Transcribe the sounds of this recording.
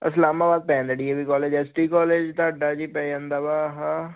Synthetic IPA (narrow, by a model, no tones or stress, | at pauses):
əslaːmaːbaːd̪̚pɛ̃ːnd̪əɖiebiːkɔːleːd͡ʒɛːsʈiːkɔːleːd͡ʒt̪aːɖaːd͡ʒiːpɛːə̃nd̪aːbaːɦãː